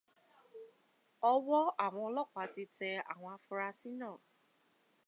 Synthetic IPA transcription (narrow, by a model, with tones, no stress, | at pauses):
ɔ˦wɔ˦a˦˨w̃ɔ̃˧ɔ˧lɔ˦˨k͡pa˨˦ti˧tɛ˧a̰˦˨w̃ɔ̃˧a˧fu˧ɾa˧si˦nãː˦˨